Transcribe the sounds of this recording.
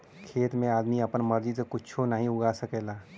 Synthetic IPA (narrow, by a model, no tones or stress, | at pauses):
kʰeːt̪mẽaːd̪miəpənməɾd͡ʒisekʊt͡ʃʰonəɦĩʊɡaːsəkɛːlaː